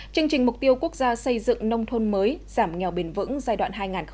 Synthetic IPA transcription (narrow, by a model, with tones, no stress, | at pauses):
t͡ɕɨ˧əŋt͡ɕï˨˩ŋ̟mʊ˨˩k͡p̚t̪i˧əwku˦˥ək̚zaː˧sə˧jzɨ̰˧˨ŋnə˧wŋ͡mt̪ʰo˧nməː˨˦jz̥aː˧˩mŋɛ˨˩wɓe˨˩nvɨ̰˧˥ŋzaː˧jɗwa̰ː˧˨nɦaː˧jŋaː˨˩n